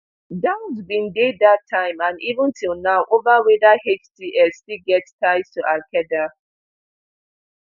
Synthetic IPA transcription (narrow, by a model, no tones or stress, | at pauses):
dãʊ̃nzbĩndedatʰːãɪ̃mãnivə̃ntilˠnaʊʔovawedahet͡ʃtiʔɛstiɡɛtstaɪstuʔakɛda